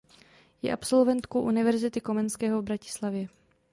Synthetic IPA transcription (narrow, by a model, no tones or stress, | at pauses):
jɛ̰ʔapso̞lvɛnt̪kowʔunɪvɛɾzɪt̪ɪko̞mɛnskɛːɦovbɾacɪ̥slavjɛ